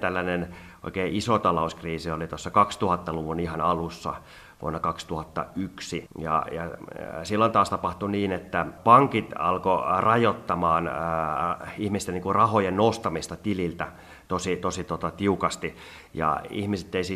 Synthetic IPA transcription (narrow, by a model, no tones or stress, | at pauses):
t̪ælːænen | ʔo̰ikeːʔisot̪ɑlouskriːsiolit̪osːɑkɑkst̪uhɑt̪ːɑluʋunihɑnɑlusːɑ̰ | ʋṵonːɑkɑkst̪uhɑt̪ːɑ̰yksijɑ̰jɑsilːont̪ɑːst̪ɑpɑht̪uniːnet̪ːæpɑŋkit̪ɑ̰lkorɑjot̪ːɑmɑːn | ihmist̪eniŋkurɑhojennost̪ɑmist̪ɑt̪ililt̪æ | t̪osit̪osit̪ot̪ɑt̪iukɑst̪i | jɑ̰ḭhmiset̪ːeisi